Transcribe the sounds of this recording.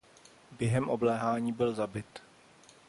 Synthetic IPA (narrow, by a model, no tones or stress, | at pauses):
bjɛɦɛmʔoblɛːɦaːɲiːbɪlzabɪt̪